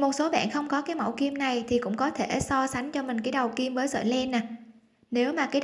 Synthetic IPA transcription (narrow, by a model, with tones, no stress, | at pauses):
mo˨˩t̚so˨˦ɓa̰ː˧˨nxə˧wŋ͡mkɔ˨˦kaː˨˦jmə̰˧˩wki˧əmna˨˩jt̪ʰi˨˩kʊ̰˧˥ŋ͡mkɔ˨˦t̪ʰe˧˩˨sɔ˧sa˨˦jŋ̟t͡ɕɔ˧mï˨˩ŋ̟kaː˨˦jɗə˨˩wki˧mvəː˨˦jzə̰ː˧˨jlɛ˧naː˨˩ | ne˨˦wmaː˨˩kaː˨˦j